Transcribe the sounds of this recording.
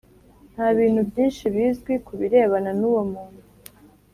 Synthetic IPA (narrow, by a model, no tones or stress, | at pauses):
n̥haβiːn̥hubjiːnʃiβiːzɡwikuβiɾe̞ːβananuːwomuːnu